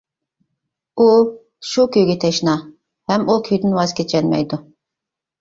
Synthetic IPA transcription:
u | ʃukʲʰøjɡʲɛt̪ʰɛʃnɑ | hɛmukʲʰøjd̪ɪnwɑz̥kʲet͡ʃʰɛnmɛ̰jd̪u

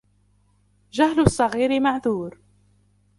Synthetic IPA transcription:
d͡ʒaɦlʊsˤːɑɣiːɾɪmaʕðuːɾ

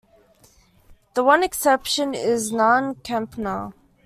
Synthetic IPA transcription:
ðəwʌ̃nɛksɛpʃə̃nɪznɔ̃nkʰãmpna

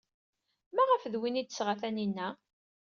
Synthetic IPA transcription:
mæʁəfðwinid̪sʁaθæninːæ

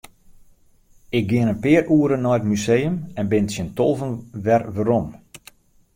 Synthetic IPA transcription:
ɪɡ̚ɡɪənənpɪːəɾʔuːəɾənːɔjətmysejəmɛnbɪnətsjəntolˠvənʋɛrʋəɾom

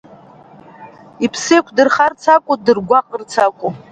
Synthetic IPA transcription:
ipʰsejkʷʰdɨrχart͡sʰakʷʼʊdɨrɡʷaqʼərt͡sʰakʷʼu

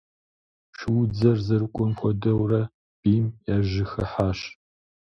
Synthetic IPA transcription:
ʃɪwd͡zɐrzɐɾɨkʷʼɔmxʷɔdɐwrɐ | b̥iːmjaʒɪxɐħaːɕ

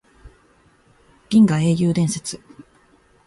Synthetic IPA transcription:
ɡʲĩŋɡae̞ːjɯːd̪ẽ̞ɰ̃se̞t͡sɨ̥

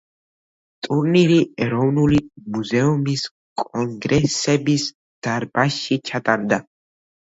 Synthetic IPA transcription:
t̪ʼuɾniɾiɛɾɔwnulimuzɛumis | kʼɔŋɡɾɛsɛbis | d̪̥aɾbaʃːit͡ʃʰʼat̪ʼaɾd̪a

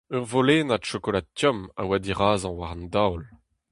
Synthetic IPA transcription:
œʁvoleːnadʃokolat̪jɔma̰wad̪iʁaːzɑ̃waʁɑ̃nd̪awl

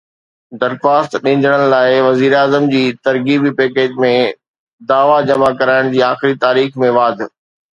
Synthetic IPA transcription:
d̪ɐɾxaːst̪ɗɪ̃ːn̆d̪əɽ̃ə̆laːɪʋɐziːɾaːzəmd͡ʑiːt̪ɐɾɡiːbipɛːkeːd͡ʑmẽ | d̪aːʋad͡ʑɐmakɐɾaːɪɽ̃d͡ʑiːaːxɪɾit̪aːɾiːxmẽʋaːd̪ʱ

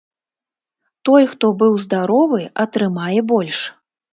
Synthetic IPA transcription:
t̪ɔjxt̪ɔbɨwzd̪aɾɔvɨʔɐt̪ɾɨmajɛbɔlʲʂ

